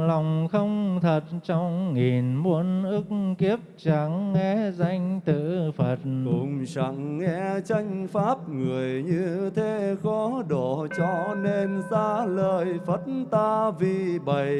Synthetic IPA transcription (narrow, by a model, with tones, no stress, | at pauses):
la˨˩wŋ͡mxə˧wŋ͡mt̪ʰə˨˩t̚t͡ɕɔ˧wŋ͡mŋi˨˩nmu˧ənʔɨ˦˥k̚ki˦˥əp̚t͡ɕa˧˦ŋːɛ˧˦za˧jŋ̟t̪ɨ̰˧˨fə˨˩t̚kʊ̰˧˨ŋ͡mt͡ɕa̰˧˩ŋːɛ˧t͡ɕa˧jŋ̟faː˦˥p̚ŋɨ˨˩əjɲɨ˧t̪ʰe˨˦xɔ˨˦ɗo˧˨t͡ɕɔ˧ne˧mzaː˧ləː˧˩jfə˦˥t̚nt̪aː˧vi˨˩ɓə˧˨j